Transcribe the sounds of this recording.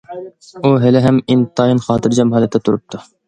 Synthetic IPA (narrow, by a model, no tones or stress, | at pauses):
uɦɪlɪɦɛmint̪ʰɑjinχɑːt̪ʰɨɾd͡ʒɛmɦɑlɛt̪ʰːɛt̪ʰuɾup̚t̪ʰu